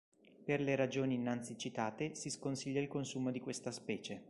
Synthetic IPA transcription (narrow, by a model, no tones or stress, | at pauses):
perleɾad͡ʒoːniːnːant̪sit͡ʃit̪aːt̪esiskonsiʎːailkonsuːmod̪ikwest̪aspɛːt͡ʃe